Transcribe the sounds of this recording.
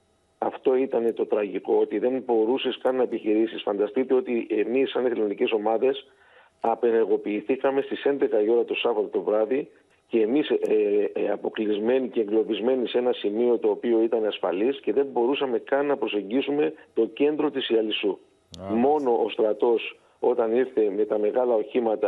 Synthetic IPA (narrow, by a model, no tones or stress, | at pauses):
ɐft̪o̞it̪ɐne̞t̪o̞t̪ɾɐʝiko̞ot̪iðe̞mbo̞ɾuseskɐnːɐepiçiɾisisfɐnd̪ɐst̪it̪e̞o̞t̪iʔe̞misːɐniθilonice̞so̞mɐðe̞s | ɐpe̞ne̞ɾɣo̞piːθikɐme̞st̪ise̞nd̪e̞xɐio̞ɾɐt̪o̞sɐvɐt̪ot̪o̞vɾɐði | ce̞ːmisɐpo̞klizme̞nice̞ːŋɡlo̞vizme̞nise̞nɐsimio̞t̪o̞ːpio̞it̪ɐneɐsfɐ̰lisce̞ðe̞mbo̞ɾusɐme̞kɐnːɐpɾo̞se̞ɲɟisume̞t̪o̞ce̞nd̪ɾo̞t̪isiɐlisu | mo̞no̞ʔost̪ɾɐt̪o̞s | o̞t̪ɐniɾθe̞me̞t̪ɐme̞ɣɐlɐo̞çimɐt̪ɐ